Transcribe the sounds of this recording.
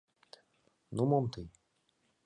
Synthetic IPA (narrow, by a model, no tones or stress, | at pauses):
numɔmt̪ɨ